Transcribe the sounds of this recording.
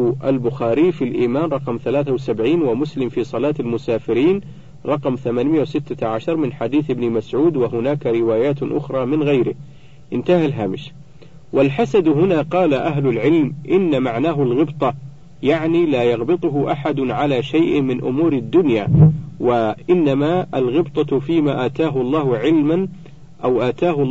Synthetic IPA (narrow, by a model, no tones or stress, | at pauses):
ʔalbʊxaːɾiːfilʔiːmaːnɾˤɑqmθalaːθawsabʕiːnwamʊslɪmfiːsˤɑlɑːt̪almʊsaːfɪɾiːn | ɾˤɑqmθamaːnmɪjawsɪt̪ːaʕaʃɑɾˤmɪnħad̪iːθɪbnɪmasʕuːd̪waɦʊnaːkaɾɪwaːjaːt̪ʔʊ̰xɾˤɑːmɪnɣajɾɪh | ʔɪnt̪ahalɦaːmɪʃ | walħasad̪ɦʊnaːqɑːlaʔaɦlʊlʕɪlmʔɪnːamaʕnaːɦʊlɣɪbt̪ˤɑ | jaʕniːlaːjɑɣbɨt̪ˤʊɦʊʔaħad̪ʊʕalaːʃajʔmɪnʔʊ̰muːɾɪd̪ːʊnja̰ːwaʔɪnːamaʔalɣɪbt̪ˤɑfiːmaːʔaːt̪aːɦʊlˤːɑːhʊʕɪlman | ʔawʔaːt̪aːhʊ